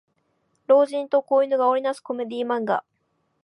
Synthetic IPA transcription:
ɾo̞ːʑĩnt̪o̞koːino̞ɡaoɾʲinasɨ̥ko̞me̞d̪ʲiːmãŋɡa̰

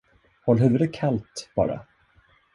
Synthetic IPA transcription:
hɔlɦʉ̟ːvɵd̪əkʰalt̪b̥ɑ̰ːɾa̰

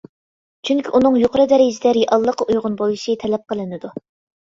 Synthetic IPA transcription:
t͡ʃʰyŋkʲiʔunɨŋjoqʰəɾɨd̪ɛɾɪd͡ʒɪd̪ɛɾjiʔɑlˠːəqːɑʔujʁʊnbojˠiʃit̪ʰɛlɛp̚qʰəlˠɨnɨd̪u

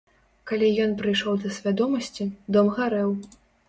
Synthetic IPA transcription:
kalʲijɔnpɾɨjʂɔwd̪ɐsʲvʲad̪ɔmɐsʲt͡sʲid̪ɔmɣaɾɛw

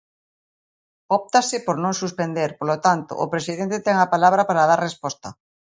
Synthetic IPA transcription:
ɔp̚t̪asɪpoɾnõŋsuspend̪eɾpolot̪ant̪o̰ʔːpɾesiðɛnt̪et̪ɛŋapalaβ̞ɾapaɾað̞aɾrespɔst̪ɐ

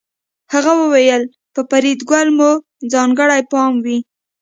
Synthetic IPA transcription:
haɣawəwejəl | pəpaɾid̪ɡwalmu | d͡zɑŋɡəɽajpɑmwi

